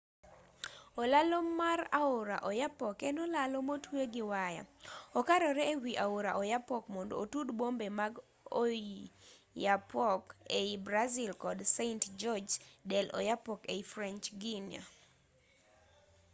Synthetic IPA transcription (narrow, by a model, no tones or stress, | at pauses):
ɔlalomːaɾaʊɾa̰ʔojapɔkɛnɔlalomotweɡɪwaja̰ɔkaɾɔɾɛewiʔaʊɾaʔɔjapɔkmɔndo̰ːtudbombemaɡ | o | japɔkeibɾazilkɔdseɪntd͡ʒɔd͡ʒdɛlɔ̰japɔkeifɾɛnt͡ʃɡinja̰